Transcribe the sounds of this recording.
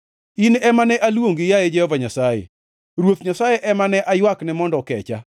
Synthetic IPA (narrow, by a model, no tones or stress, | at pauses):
inɛmanɛʔalwoŋɡɪjajed͡ʒɛhɔvaɲasajḛ | ɾwot̪ɲasajeʔɛmanɛʔajwaknɛmɔndɔkɛ̰t͡ʃa̰